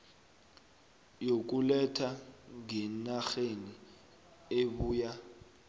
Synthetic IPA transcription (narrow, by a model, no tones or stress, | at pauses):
jok̬ulɛtʰaŋɡɛnaxeni | eɓuːja